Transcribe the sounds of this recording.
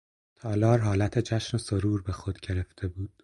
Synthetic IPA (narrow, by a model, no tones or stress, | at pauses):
t̪ʰɒːlɒːɾɦɒːlæt̪ʰed͡ʒæʃnosoɾuːɾbe̞xo̞d̪̥ɟe̞ɾeft̪ʰe̞buːd̪̥